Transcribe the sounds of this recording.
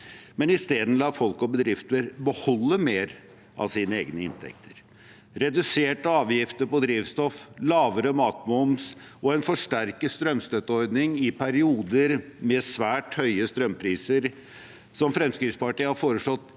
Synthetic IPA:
mɛnɪst̪eːd̪n̩lɑːt̪fɔlkɔbəd̪ɾɪft̪əɾbəhɔlːəmeːɾ | ʔɑ̰ʋsiːnəeːɡnəɪ̰nt̪ʰɛ̰kt̪ʰəɾ | ɾɛd̪ʉseːʈəɑːʋjɪft̪əɾpɔd̪ɾiːʋst̪ɔflɑːʋəɾəmɑːt̪mʊms | ɔɛnfɔʂʈæɾkəst̪ɾœmst̪œt̪ːəɔɾd̪nɪŋɪpʰæɾɪuːd̪əɾmɛsʋæːʈhœʏəst̪ɾœmpʰɾiːsəɾ | sɔmfɾɛmskɾɪt̪spɑʈiːhɑɾfoːɾəʂlɔt̪ː

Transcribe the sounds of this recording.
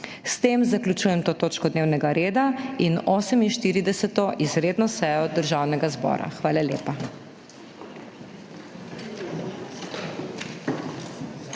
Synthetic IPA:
st̪eːmzaklʲut͡ʃuːjɛmt̪oːt̪oːt͡ʃkɔd̪neːwnɛɡaɾeːd̪ainoːsɛminʃt̪iːɾid̪ɛsɛt̪ɔʔizɾeːd̪nɔsɛjɔd̪əɾʒaːwnɛɡazbɔ̰ːɾa̰xʋaːlaljeːpa

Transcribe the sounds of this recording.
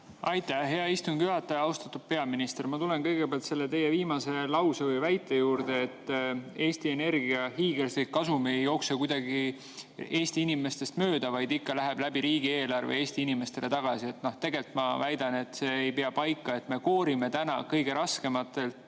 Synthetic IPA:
ɑjt̪ːˑæɦe̞ɑist̪uŋɡ̥juɦɑt̪ːˑɑjɑɑwst̪ɑt̪ːud̥̪̚pe̞ɑminist̪eɾmɑt̪ule̞nkɤjɡ̥epeɑlt̪se̞lːe̞t̪e̞je̞viːmɑse̞lɑwsevɤjvæjt̪ːˑe̞juːɾd̪̥e̞ːt̪ːe̞ːst̪ie̞ne̞rɡiɑhiːɡ̥erslikːɑsumiejo̞ksekujd̪̥ɑɡi | e̞ːsʲt̪iinime̞st̪e̞st̪mø̞ːd̪̥ɑvɑjd̪ikːɑlæɦeb̥læbiɾiːɡ̥ie̞ːlɑrvḛeːst̪iinime̞st̪e̞le̞t̪ɑɡ̥ɑsie̞t̪ːno̞ht̪e̞ɡe̞lt̪mɑvæjd̪̥ɑne̞t̪ːse̞ːjpeɑpɑjkːˑɑe̞t̪me̞ko̞ːɾime̞t̪ænɑ̰kɤjɡ̥e̞ɾɑske̞mɑt̪ːˑe̞lt̪

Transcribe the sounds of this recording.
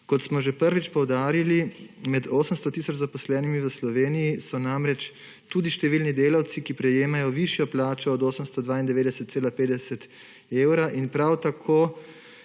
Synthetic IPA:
kɔt̪smɔʒɛpəɾʋit͡ʃpɔwd̪aːɾilimɛd̪oːsəmst̪ɔt̪iːsɔt͡ʃzapɔslɛːnimiʋəslɔʋeːnijisɔnamɾɛt͡ʃ | t̪uːd̪iʃt̪ɛʋiːlnid̪eːlawt̪sikipɾɛjeːmajɔʋiʃjɔplaːt͡ʃɔːd̪oːsəmst̪ɔd̪ʋaːind̪ɛʋeːd̪ɛsət̪seːlapeːd̪ɛsɛt̪ | eːwɾaʔinpɾawt̪akʰoː

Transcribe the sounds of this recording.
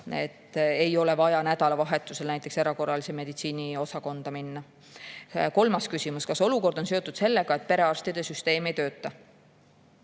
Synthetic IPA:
e̞̰t̪ːe̞jo̞le̞vɑjɑnæd̪̥ɑlɑvɑɦe̞t̪ːˑuselnæjt̪ːˑe̞kse̞ɾɑko̞rːɑlise̞me̞d̪̥it̪siːnio̞sɑko̞nd̪̥ɑminːɑ | ko̞lmɑskysimuskɑso̞luko̞rd̪̥o̞nse̞o̞t̪ːˑud̪̥se̞lːeɡ̥ɑe̞t̪̚pe̞ɾe̞ɑrst̪id̪̥e̞syst̪e̞ːmejt̪ø̞ːt̪ːˑɑ

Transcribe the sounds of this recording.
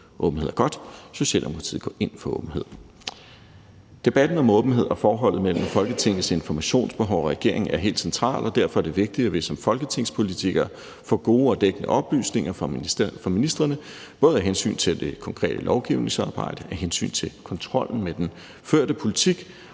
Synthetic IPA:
ʔɔ̽ːb̥n̩e̝ðˠɐɡ̥ɒ̽d̥so̝ɕɛ̰ld̥emo̝kʰʁɑt͡sʰḭð̩̰ˠɡɔ̰̽ːʔe̝n̰fɒ̽ɔ̰̽ːb̥n̩he̝ð̞̰ˠ | d̥e̝b̥æd̥n̩ɒ̽mɔ̽ːb̥n̩e̝ð̰ˠɒ̽fɒːɦɒ̽l̰ð̩ˠmel̰m̩fɒ̽lɡ̥ət͡sʰe̝ŋ̰ð̩se̝nfɒmæɕo̝̰ːnsb̥e̝ɦɒʊ̰ɒʁɛɡ̥e̝ɐ̰e̝ŋ̩æɐɦe̝̰ːld̥sent͡sʰʁɑ̰̈ːlɒ̽d̥æɐfɒ̽æɐde̝ʋe̝ɡ̥̚d̥iæʋe̝sɒ̽mfɒ̽lɡ̥ət͡sʰe̝ŋ̰spʰo̝lit͡sʰiɡ̥ɐ | fɒ̰ːɡ̥o̝ːɒ̽d̥eɡ̥ənəʔɒ̽b̥ly̰ːsne̝ŋɐfɒ̽minisd̥ʁɐnə | b̥ɔ̽ːð̞̩ˠæɦensy̰ːnt͡sʰe̝ld̥e̝kʰɒ̽ŋkʰʁɛ̰ːd̥əlʔɒʊɡ̥iʊne̝ŋsɑ̈ːb̥ɑ̈ɪ̰d̥əæɦensy̰ːnt͡sʰe̝kʰɒ̽nt͡sʰʁɒ̽l̰n̩med̥en | føɐ̰dəpʰo̝lit͡sʰiɡ̥

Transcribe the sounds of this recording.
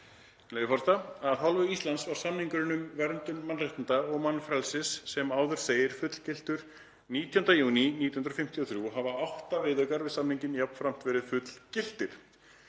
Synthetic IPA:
leːjɪfɔɾst̪aaðθalvʏist̪ant̪svaɾ̥samniŋkʏɾɪnʏmvɛɾnt̪ʏnmanrejht̪ɪnt̪aɔɣmanːfɾɛlsɪsːɛmaːwðʏɾ̥θeːjɪɾ̥fʏt̪l̥cɪl̥t̪ʏɾ̥ | niːt̪jɔnd̪ajuːniniːt̪ihʏnɾɔfɪm̥t̪ijɔθɾjuɦavaawht̪avɪðœkaɾvɪðsamniɲcɪnjapnfɾam̥t̪vɛːɾɪðfʏt̪l̥cɪl̥t̪ɪɾ̥

